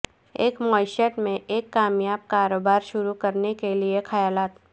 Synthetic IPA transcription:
eːkmɔːɪʃəʈmẽʔeːkːaːmjaːb̚kaːɾoːbaːɾʃʊɾukɐɾnekeliexɐjaːlaːt̪

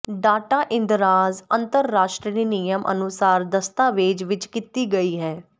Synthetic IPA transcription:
ɖaːʈaːʔɪ̃nd̪ɾaːzənt̪əɾːaːʃʈɾiniːnijəmʔə̰nʊsaːɾd̪əst̪aːʋeːd͡ʒʋɪt͡ʃkit̪iːɡəiːɦɛː

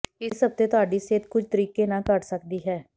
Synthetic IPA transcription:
ɪsəb̚t̪eːt̪ʊaːɖiːseːt̪kʊd͡ʒt̪əɾiːkeːnãːkəʈsəkd̪iːɦɛː

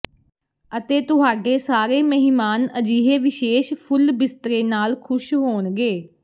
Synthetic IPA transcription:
ət̪eːt̪ʊɦaːɖeːsaːɾeːməɦɪmaːnəd͡ʒiːɦeːʋɪʃeːʃpʰʊlbɪst̪ɾeːnaːlkʰʊʃɦoːnɡeː

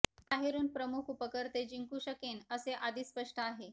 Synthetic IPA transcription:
paɦeɾuːnpɾəmukʰupəkəɾt̪ed͡ʑiŋkuːɕəkenəseʔad̪iːspəʂʈʰəaɦe

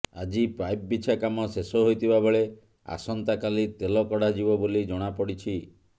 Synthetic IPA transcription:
ad͡ʒipajp̚bit͡ʃʰakamɔsesɔɦojt̪ʰibabeɭe | a̰sɔnt̪akalit̪elɔkɔɽad͡ʒibɔbolid͡ʒɔɽ̃apɔɽit͡ʃʰi

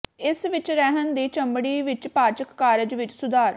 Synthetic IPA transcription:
ɪsʋɪt͡ʃɾɛɦənd̪iːt͡ʃəmbɽiːʋɪt͡ʃpaːɾt͡ʃəkːaːɾɪd͡ʒʋɪt͡ʃsʊd̪aːɾ

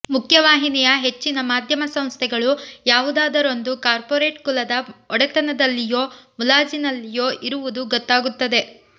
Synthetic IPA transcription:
mukʰjɐʋaːɦinijɐɦe̞t͡ʃːinɐmaːd̪ʱjɐmɐsɐ̃m̃st̪ʰɛɡɐɭujaːʋud̪aːd̪ɐɾo̞nd̪ukaːɾpoːɾe̞ːʈkulɐd̪ɐɔɽɐt̪ɐnɐd̪ɐlːijo̞ːmulaːd͡ʒinɐlːijoːʔiɾuʋud̪uɡɔt̪ːaːɡut̪ːɐd̪e̞

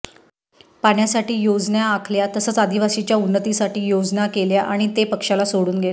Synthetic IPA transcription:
paɳjasaʈiːjod͡znjaːkʰljat̪əsəːt͡sad̪iʋasit͡ɕjaunːət̪isaʈiːjod͡znakeljaʔaɽ̃it̪epəkʂalasoɽuːnɡʱel

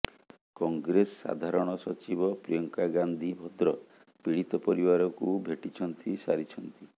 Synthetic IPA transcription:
kɔŋɡɾesɔ̥ːa̰d̪ʱaɾɔɽ̃ɔsɔt͡ʃibɔpɾijɔŋkaɡand̪ʱibʱɔd̪ɾɔ | piɽit̪ɔpɔɾibaɾɔkubʱeʈit͡ʃʰɔnt̪isa̰ɾit͡ʃʰɔnt̪i

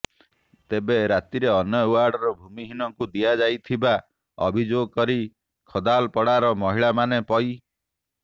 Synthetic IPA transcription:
t̪ebeɾat̪iɾeɔnjɔuwaɾɖɔɾɔbʱumiɦinɔŋkud̪iad͡ʒajt̪ʰiba | ɔ̰bʱid͡ʒoɡɔkɔɾi | kʰɔd̪alpɔɽaɾɔmɔɦiɭamanepɔj

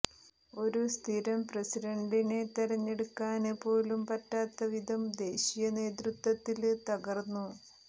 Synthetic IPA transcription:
o̞ɾust̪ʰiɾɐmprɐsiɖɐɳɖine̞t̪ɐɾɐɲːeɽukːaːnepːo̞ːlumpɐtːaːt̪ːɐʋid̪ʱɐmd̪e̞ːɕijɐne̞ːd̪rut̪wɐt̪ːilt̪ɐɣɐrnːu

